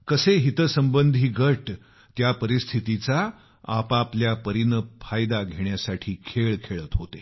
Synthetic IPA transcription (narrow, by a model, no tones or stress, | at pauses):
kəseɦit̪əsəmbənd̪ʱiːɡəʈ | t̪japəɾist̪ʰit̪it͡sa | a̰papljapəɾinəfʰajd̪aɡʱeɳjasaʈʰiːkʰeɭkʰeɭət̪ɦot̪e